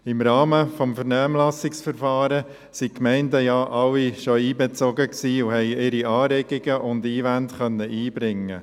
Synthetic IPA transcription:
ɪmɾɑːməfɔmfəɾnæːmlɑsɪksfəɾfɑːɾə | sikmɛɪndəjɑʔɑwːiʃɔiːbɛt͡soɡəksiːʊɦɛɪɪɾiɑːɾɛɡ̥iɡ̥əʔʊndiːʋæntχœnːəʔiːb̥ɾɪŋːə̰

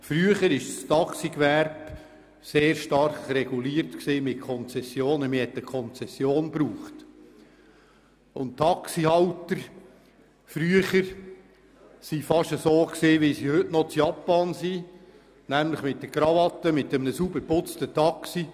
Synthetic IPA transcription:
fɾyəχəɾɪʃstɑksikʋæɾb | seːɾʃtɑrχrɛɡ̥uliːɾtksiːmɪt̚kʰɔnt͡sɛsjoːnəmɪhɛt̪əkʰɔnt͡sɛsjoːnbɾuːχt | ʊ̰nttʰːɑksihɑwtəɾ | fɾyəχəɾ | sifɑʃəsoːksiːʋɪsihɵtnɔt͡sjɑpːɑnsi | næmləχmɪt̚ːəɡɾɑvɑt̪ːəmɪt̪əmənəsubəɾpʊt͡stətɑksi

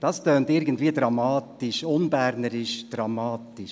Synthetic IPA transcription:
d̥ɑstœːntɪɾɡəntviːədɾɑmɑːtɪʃʊnbæɾnəɾɪʃd̥rɑmɑːtɪʃ

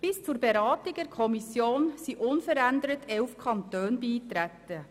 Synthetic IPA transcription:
b̥ɪst͡suɾbeɾaːtɪɡ̚dɛɾkʰɔmisjoːnsiʔʊnfəɾændəɾətʰɛlfkʰɑntøːnbiːtɾætːə

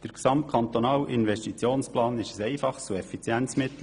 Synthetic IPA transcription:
d̥əɾksɑmt̚kʰɑnt̪onɑːlʔɪnvɛʃtit͡sjoːnsplɑːnɪʃəsɛɪfɑχt͡suɛfit͡sjɛnt͡smɪt̪l̩

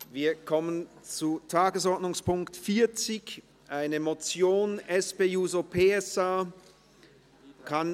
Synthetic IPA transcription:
viːɐkʰɔmənt͡sutʰaːɡəsɔɐdnʊŋspʰʊŋktfiːɐt͡sɪç | ʔaɪnəmot͡sjoːnɛspeːjuːzopʰeːɛsaː | kʰan

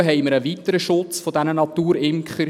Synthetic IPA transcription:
ɦɛɪməɾəʋit̪ːəɾəʃʊt͡sfɔdænənɑt̪uːɾɪmkχəɾ

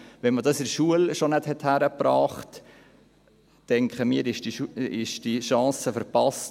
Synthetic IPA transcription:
ʋɛnmədɑsɪɾʃuəlʃonɛthɛthæɾəpɾɑːχt | tɛŋkχəmiːɾɪʃdiuɪʃd̥iʃɑ̃ːsəfəɾpɑst

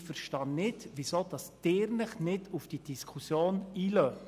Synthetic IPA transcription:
fəɾʃtɑnnːɪdʋisoːd̥ɑsd̥ɪːɾnəχnɪdufd̥id̥iskʰusjoːniːlœ

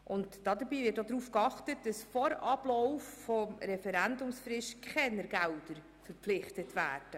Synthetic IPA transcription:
ʔʊntd̥ɑd̪əɾbiːvɪtod̪ɾuːfkɑχtət̚d̥ɑsfɔɾɑb̥lɔʊffɔmɾɛfɛɾændʊmsfrɪʃkχɛnəɾɡældəɾ | fəɾplɪχtətʋæːrd̥ə

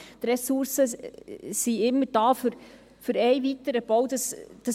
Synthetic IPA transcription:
t̪ɾɛsuɾsə | siɪmːəɾd̥ɑːfʏɾ | fʏɾɛɪvit̪əɾəb̥owd̥ɑsd̥ə

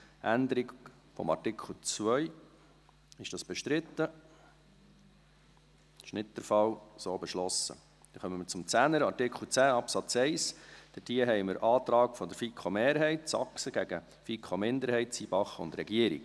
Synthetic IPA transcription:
ʔænd̪əɾiɡ | fɔ̰mɑ̰rtɪkʰl̩ˠt͡sʋœʏ | ɪʃd̥ɑsb̥ɛʃt̪ɾɪt̪ːə | ʃnɪt̚ːəɾfɑwsoːbɛʃlɔsə̰ | d̥ɛχœməməɾt͡sʊmt͡sænəɾɑrtɪkχl̩ˠt͡sæːɑpsɑt͡sɛɪsd̥əd̥iəɦɛɪməɾʔɑːt̪ɾɑːkfɔd̪əɾfikʰχomeːɾɦɛɪt̪sɑ̰ksəɡ̥æɡ̥ə | fikʰχomɪnd̪əɾhɛɪtt͡siːb̥ɑχʊ̰nd̪ɾɛɡiəɾḭɡ

